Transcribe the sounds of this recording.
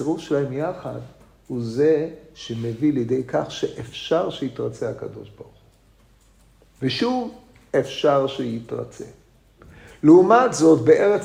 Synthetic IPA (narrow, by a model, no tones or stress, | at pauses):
eʁufʃelahemjaχa̰d̪ | huze̞ʃe̞meviljed̪e̞jkaχʃeʔefʃaʁʃeit̪ʁat͡sehaka̰d̪o̞̰ʃbaʁχu̥ | veʃuv | efʃaʁʃejit̪ʁa̰t͡sḛ | leumat̪zo̞t̪beʔe̞ʁet͡s